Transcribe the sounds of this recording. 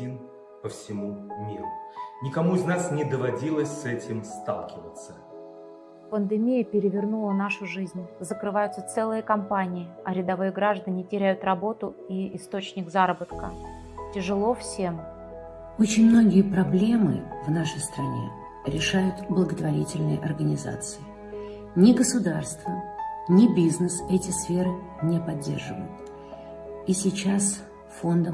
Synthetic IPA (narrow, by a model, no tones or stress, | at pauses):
in | pəfsʲɪmumʲiɾʊnʲɪkɐmuɪznasnʲɪd̪əvɐdʲilˠəsʲsɛtʲɪmst̪a̰lˠkʲɪvət̪sə | pənd̪ɨmʲijəpʲɪɾʲɪvʲɪrnulˠənaʂʊʐɨzʲnʲzəkɾɨvajʊt̪sət̪sɛlˠɨjəkɐmpanʲɪɪɐɾʲɪd̪ɐvɨjəɡɾaʐd̪ənʲɪtʲɪɾʲæjʊt̪rɐbo̞t̪ʊ | iɪst̪o̞t͡ɕnʲɪɡzaɾəbət̪kə | tʲɪʐɨlˠo̞fsʲe̞m | ot͡ɕɪnʲmno̞ɡʲɪjəpɾɐblʲe̞mɨ̰vnaʂəjst̪ɾɐnʲe̞̰ | ɾʲɪʂajʊt̪blˠəɡət̪vɐɾʲitʲɪlʲnɨjʔɐrɡənʲɪza̰t̪sɨɪ | nʲɪɡəsʊd̪arst̪vənʲɪbʲiznəsɛtʲɪsfʲe̞ɾɨ | nʲepɐdʲːḛrʐɨvə̰jʊt̪ | isʲɪt͡ɕas | fo̞nd̪ə